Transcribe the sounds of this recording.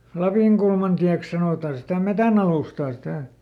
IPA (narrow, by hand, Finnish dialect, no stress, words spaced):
lɑpiˑŋkulmɑntiæks sɑnoˑtɑ sitæ metænɑluˑstɑː sitæˑ